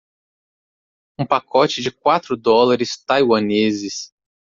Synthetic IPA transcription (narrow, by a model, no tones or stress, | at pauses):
ũpakɔt͡ʃɪd͡ʒɪkwat̪ɾʊd̪ɔlaɾɪst̪ajwɐnezɪs